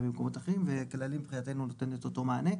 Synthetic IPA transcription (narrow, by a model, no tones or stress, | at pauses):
bemko̞motaχeimvekelalimbχijate̞nunot̪e̞net̪otomaane̞